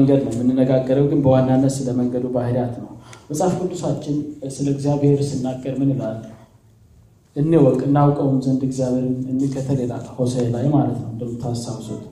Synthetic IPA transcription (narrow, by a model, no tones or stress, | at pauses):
əŋɡəd̪nəwmɨnːɨnːəɡaɡːəɾəwɡɨnbəwanːanːəsləməŋɡəd̪ubahɾjat̪nəwməsʼafɡɨd̪ːusat͡ʃːɪnsɨləɨɡzijaβheɾsɨnːaɡʼːəɾmɨnɨlalː | ʔɨnːewɔkʼːɨnːawkʼəwnzənd̪ɨɡzijaβhe̞ɾɨnɨnːekʰət̪ʰəlela̰lho̞səlajmalət̪nəwɨnd̪əmːɨt̪ʰasawso̰t̪ʼ